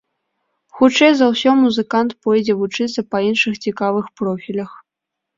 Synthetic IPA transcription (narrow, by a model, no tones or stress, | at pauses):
xut͡ʂɛjzɐwsʲɔmuzɨkant̪pɔjd͡zʲɛvut͡ʂɨt̪sːɐpɐinʂɨxt͡sʲikavɨxpɾɔfʲilʲɐx